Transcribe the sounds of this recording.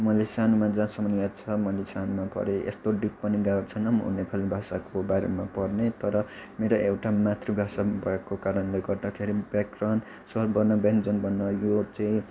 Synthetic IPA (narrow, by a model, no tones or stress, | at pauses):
mʌlesanumad͡zãsʌmʌnat͡sʰʌmʌlesanumapʌ̰ɾeʔḛst̪oɖik̚pʌniɡat͡sʰʌnʌmɦṵnepʰalibʱasakobaɾemapʌrnet̪ʌɾʌmeɾoʔewʈamat̪ribʱasabʱakokaɾʌnleɡʌrd̪akʰeɾibakran | sʌlbʌnːʌbend͡zonbʱʌnːʌjot͡saĩ